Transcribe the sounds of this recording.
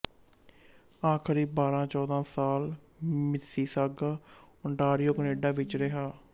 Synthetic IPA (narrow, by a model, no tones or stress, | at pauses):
aːkʰəɾiːbaːɾãːt͡ʃɔːd̪ãːsaːl | mɪsiːsaɡaː | ʊɳʈaːɾijoːkəneːɖãːʋɪt͡ʃɾəɦaː